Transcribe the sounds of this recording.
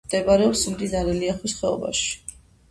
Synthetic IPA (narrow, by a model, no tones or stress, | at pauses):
d̪ɛbaɾɛɔpsmd̪inaɾɛliaχwisχɛɔ̰ba̰ʃi̥